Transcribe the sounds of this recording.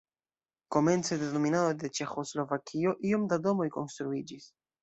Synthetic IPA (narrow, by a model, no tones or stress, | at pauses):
ko̞me̞nt͡se̞deno̞minado̞jde̞t͡ʃe̞xo̞slo̞vakʰio̞ʔio̞mdado̞mo̞jko̞̰nst̪ɾuid͡ʒis